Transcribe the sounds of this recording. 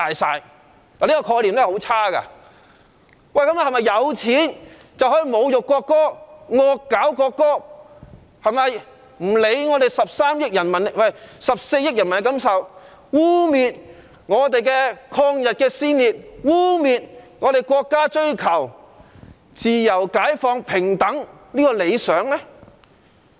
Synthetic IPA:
t̪aː˨jsa̰ː˧j | laː˨liː˥kɔ˧kʰɔː˧jliː˨˩mlɛ˥˨ho˨˥wt͡sʰaː˥kɐ̰˧ | wɐ˨jkɐ˨˥m˨hɐ˨˩mɐ˨jːɐ˨˧wt͡sʰiː˨˥n | t͡sɐ˨wɦɔː˨˥i˨˧mo˨˧wjʊ˨kːʷɔː˧kːɔː˥ŋɔː˧kːaː˨˥wkɔː˧kːɔː˥ | hɐ˨˩jmɐ˨j | m̩˨˩le˨˧˥jŋɔː˨˧t̪e˨jsɐ˨p̚saː˥mjɪ˥k̚jɐ˨˩nmɐ˨˩nwɐ˨jsɐ˨p̚se˧jɪ˥k̚jɐ˨˩nmɐ˨n˨˧kɐ˨˥msɐ˨w | wuː˥miː˨t̚ | ŋɔː˨˧t̪e˨jkɛː˧kʰɔː˧ŋjɐ˨t̚kɛː˧siː˥nliː˨t̚wuː˥miː˨t̚ŋɔː˨˧ɾe˨jkʷɔː˧kːaː˥t͡ʃɵ˥ɥkʰɐ˨˩w | t͡siː˨jɐ˨˩wkaː˨˥jfɔː˧ŋpʰɪ˨˩ŋt̪ɐ˨˥ŋniː˥kɔː˧le˨˧jsœː˨˥ŋlɛː˥

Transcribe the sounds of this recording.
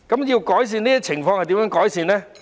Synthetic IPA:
kɐ˨˦mjiː˧wkɔː˨˥js̬iː˨˧niː˥ɐ˥t͡sʰɪ˨˩ŋfɔː˧ŋhɐ˨jt̪iː˨˥mɐ˨˥ŋkɔː˨˥jsiː˨˧nlɛː˥

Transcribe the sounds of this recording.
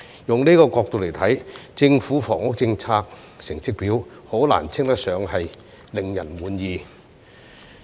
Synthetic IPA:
jʊ˨ŋniː˥kɔː˧kɔː˧k̚t̪o˨wle˨˩jt̪ʰɐ˨˥jt͡sɪ˧ŋfuː˨˥fɔː˨˩ŋʊ˥k̚t͡sɪ˧ŋt͡sʰaː˧k̚ | sɪ˨˩ŋt͡sɪ˥k̚piː˨˥w | ho˨˥wla̰ː˨˩nt͡sʰɪ˥ŋt̪ɐ˥k̚sœː˨˧˥ŋhɐ˨j | lɪ˨ŋjɐ˨˩nmuː˨˧njiː˨˧

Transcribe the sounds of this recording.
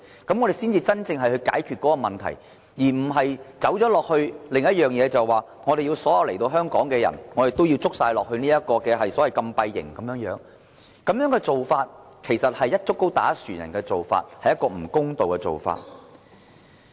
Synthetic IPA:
kɐ˥mŋɔː˨˧ɾe˨jsiː˥nt͡siː˧t͡sɐ˥nt͡sɪ˧ŋɦɐ˨jhɵ˧ɥka̰ː˨˥jkʰyː˨t̚kːɔː˨˥kɔː˧mɐ˨nt̪ʰɐ̰˨˩j | jiː˨˩m̩˨˩ɦɐ˨jt͡sɐ˨˥wt͡ʃɔː˨˥lɔː˨k̚hɵ˧ɥlɪ˨ŋjɐ˥t̚jœː˨ŋjɛː˨˧t͡sɐ˨˩wwaː˨˩ | ŋɔː˨˧ɾe˨jiː˧wsɔː˨˥jɐ˧wle˨˩jt̪o˧wɦœː˥ŋkɔː˨˥ŋkɛː˧jɐ̰˨˩nŋɔː˨˧ɾe˨jt̪o˥wjiː˧wt͡sʊ˥k̚saː˧jlɔː˨k̚hɵ˧niː˥jɐ˥t̚kɔː˧kɛː˧ɦɐ˨jsɔː˨˥wɐ˨jkɐ˧mpɐ˧jːɪ̰˨˩ŋkɐ˨˦mjœː˨˥ŋjœː˨˥ŋ | kɐ˨˥mjœː˨˥ŋkɛː˧t͡so˨wfaː˧t̚ | kʰe˨˩jsɐ˨t̚hɐ˨jɐ˥t̚t͡sʊ˥kːo˥wt̪aː˨˥syː˨˩njɐ̰˨˩nkɛː˧t͡so˨wfa̰ː˧t̚hɐ˨jɐ˥t̚kːɔː˧m̩˨˩kʊ˥ŋt̪o˨wkɛ˧t͡so̰˨wfa̰ː˧t̚

